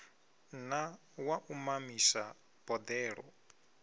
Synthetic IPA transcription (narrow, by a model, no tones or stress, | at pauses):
na | waʔumamisa | b̥ɔd̪ɛːɺɔ̰